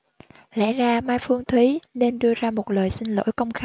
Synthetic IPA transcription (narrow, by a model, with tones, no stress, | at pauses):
lɛ̰˧˥zaː˧maː˧jfɨ˧əŋt̪ʰwi˨˦ne˧nɗɨ˧əzaː˧mo˨˩t̚ləː˨˩jsï˧ŋ̟lo̰˧˥jkə˧wŋ͡mxaː˧